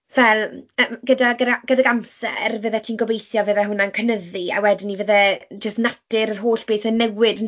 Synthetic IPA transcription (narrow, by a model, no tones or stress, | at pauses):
vɛlˠəːmɡədaɡəɡədaɡamsɛ̰rvəðɛtʰiːnɡɔbejθjɔvəðɛɦʊnankʰənəðia̰wɛdɪnivəðɛd͡ʒəstnatɪɾərɦoːɬb̥eːθənɛwɪd